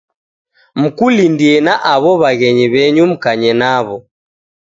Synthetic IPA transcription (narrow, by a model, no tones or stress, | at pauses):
m̩kulindiɛnaʔaβɔβaɣɛɲiβɛɲum̩kaɲɛnaβɔ